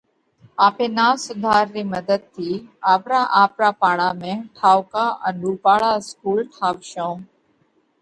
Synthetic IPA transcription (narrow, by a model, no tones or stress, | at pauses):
aːpẽːnaːsʊd̪ʱaːɾːiːməd̪əd̪̚t̪ʰiːaːpɾaːʔaːpɾaːpaːɭaːmẽːʈʰaːʋkaːʔənɾuːpaːɭaːskuːlʈʰaːʋʃõː